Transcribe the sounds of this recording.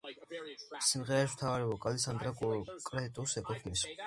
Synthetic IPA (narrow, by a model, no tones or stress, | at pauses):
simʁɛɾaʃmt̪ʰavaɾɛɔkʼalɛsand̪ɾakʼkʼɾɛt̪ʼɔsɛkʼɔt̪ʰmis